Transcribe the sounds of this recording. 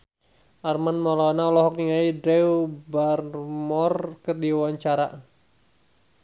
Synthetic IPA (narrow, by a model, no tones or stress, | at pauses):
ʔarmanmɔlanaɔlɔɦɔk̚niŋaidɾɛwbarmɔrkərdiwaɲt͡ʃaɾa